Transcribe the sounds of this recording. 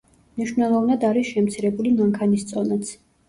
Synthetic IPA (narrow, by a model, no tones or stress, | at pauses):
mniʃvnɛlˠɔvnad̪aɾisʃɛmt̪sʰiɾɛbulimaŋkʰanist̪sʼɔnat̪sʰ